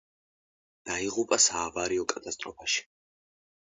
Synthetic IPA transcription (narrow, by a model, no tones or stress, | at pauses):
d̪̥aiʁupʼasaːvaɾiɔkʼat̪ʼast̪ʼɾɔpʰaʃi̥